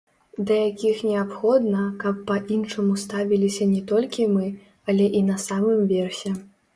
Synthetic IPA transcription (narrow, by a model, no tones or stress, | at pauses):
d̪ɐjakʲixnʲɛapxɔd̪nɐkɐpːɐʔinʂɐmust̪avʲilʲisʲɐnʲɛt̪ɔlʲkʲimɨ | ɐlʲɛʔinɐsamɨmvʲɛrsʲɛ